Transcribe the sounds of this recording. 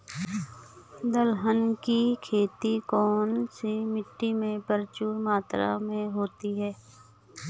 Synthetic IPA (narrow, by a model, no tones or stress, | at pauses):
d̪əlɦənkikʰeːt̪ikɔːnsimɪʈːimẽbəɾt͡ʃuːɾmaːt̪ɾa̰mẽɦoːt̪iɦɛː